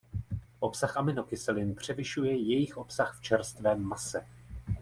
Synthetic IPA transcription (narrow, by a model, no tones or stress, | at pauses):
ʔo̞psaxʔamɪno̞kɪsɛlɪnpr̝̥ɛvɪʃujɛjɛjɪxʔo̞psaxft͡ʃɛɾst̪vɛːmːasɛ